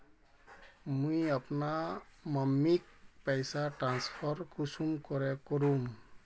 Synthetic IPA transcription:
mujapnamamːik̚pajsaʈɾanspʰɔɾkʰusumkɔɾɛkɔɾum

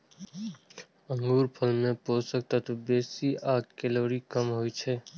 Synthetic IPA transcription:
ə̃ŋɡuːɾpʰɐlmẽpoːsək̚t̪at̪obeːsiaːt̪kɛloːɾikɐmɦoːit͡ʃʰɛː

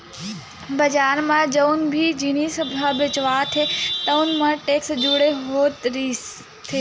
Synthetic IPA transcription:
bəd͡ʒaːɾmãd͡ʒəunbʱid͡ʒinisəbʱabɪt͡ʃʋat̪ʰet̪ənmãʈeːksd͡ʒuɽeɦoːt̪ɾi | t̪ʰeː

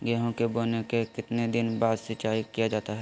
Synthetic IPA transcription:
ɡɛɦõkeboːnekekɪt̪ned̪ɪnbaːd̪sɪt͡ʃaːikijad͡ʒaːt̪aɦɛ

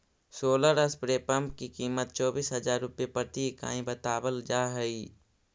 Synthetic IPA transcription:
soːləɾəspɾeːpə̃mp̚kikiːmət̪̚t͡ʃɔːbiːsɦɐd͡ʒaːɾːʊpjepət̪ika̰ːĩbət̪aːbəld͡ʒaːɦɛi

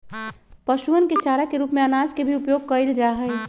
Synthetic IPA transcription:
pəʃuənket͡ʃaːɾakeɾuːpmẽənaːd͡ʒkebʱiupjoːɡ̚kəild͡ʒaɦə

